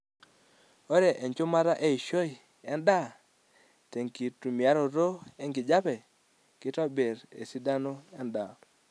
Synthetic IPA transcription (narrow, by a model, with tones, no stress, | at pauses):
o˦ɾe˨ʔe˨nt͡ʃʊ˦ma˦ɾa˦ʔe˦i˨ʃo˦ɪ˨ | ɛ˦nda˦ | te˨ŋki˨tu˨mja˦ɾo˨ɾo˦ɛ˦ŋɡɪ˨d͡ʒa˦pɛ˨ | kɪ˦tɔ˦be˨ɾḛ˨si˦da˦no˦ɛ˦nda˨